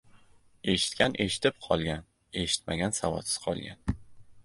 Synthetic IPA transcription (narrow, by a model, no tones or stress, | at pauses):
e̞ʃɪ̥t̪̚kʲanʔe̞ʃɪ̥t̪ɪp̚qʰɒlˠɡʲan | e̞ʃɪ̥t̪ma̰ɡʲansavɒ̰t̪sɪ̥z̥qʰɒ̰lˠɡʲan